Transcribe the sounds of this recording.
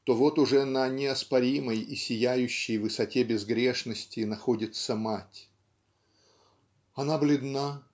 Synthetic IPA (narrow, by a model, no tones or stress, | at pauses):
t̪o̞vo̞t̪ʊʐɛnənʲɪɐspɐɾʲiməjisʲɪjæjʉɕːɪjvɨsɐtʲe̞bʲɪzɡɾʲeʂnəsʲtʲɪnɐxo̞dʲɪt̪səmatʲ | ɐnablʲɪd̪na